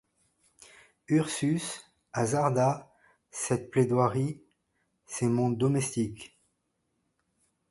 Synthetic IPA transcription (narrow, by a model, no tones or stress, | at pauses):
yʁsys | azaʁd̪a | sɛt̪̚pled̪waʁi | semɔ̃d̪ɔmɛst̪ik